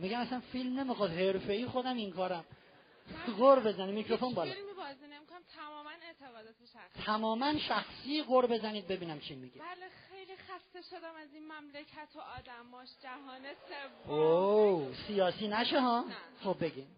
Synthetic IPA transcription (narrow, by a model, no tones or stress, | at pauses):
miɡæmæsænfilmne̞mixɒːd̪he̞ɾfe̞iːxod̪æmiŋkʰɒːɾæm | ɣoɾbe̞zænimikʰɾo̞fo̞nbɒːllmibɒːzinemikʰonæmt̪ʰæmɒːmænet̪ʰeɣɒːd̪ɒːt̪ʰeʃæst̪ʰæmɒːmænʃæxsiːɣoɾbe̞zæniːd̪̚be̞biːnæmt͡ʃʰimiɡiælexejlixæst̪eʃod̪æmæzinmæmlecʰæt̪ʰoɒːd̪æmɒːʃd͡ʒæɦɒːnesevo | sijɒːsiːnæʃeɦɒːχob̚be̞ɡʲin